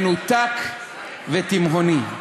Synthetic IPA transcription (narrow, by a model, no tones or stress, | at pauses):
nut̪ak | vet̪imɦoni